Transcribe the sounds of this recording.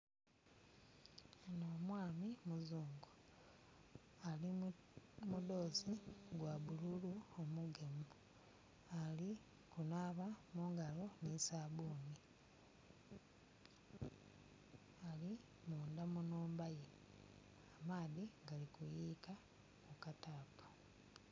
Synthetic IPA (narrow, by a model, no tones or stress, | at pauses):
enoːmwaːmimuzuːŋɡu | ali | mudo̞ːziɡwaβululuomuɡe̞mu | ali | kunaːβamuːŋɡalo̞nisaβuːni | ali | muːndamunuːmbaje | amaːðiŋɡalikujiːka | kukataːpḁ